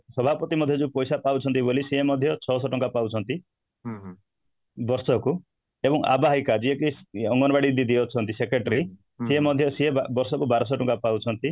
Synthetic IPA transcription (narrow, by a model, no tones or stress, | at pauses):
sɔbʱapɔt̪imɔd̪ʱjɔd͡ʒupɔjsapawt͡ʃʰɔnt̪ibolisiemːɔd̪ʱjɔt͡ʃʰɔsɔʈɔŋkapawt͡ʃʰɔnt̪i | bɔɾsɔku | ebɔŋʔa̰baɦikad͡ʒiekiɔŋɡɔnɔbaɽid̪id̪iɔt͡ʃʰɔnt̪isekɾeʈaɾi | siemɔd̪ʱjɔsiebɔɾsɔkubaɾɔs̬ɔʈɔŋkapawt͡ʃʰɔnt̪i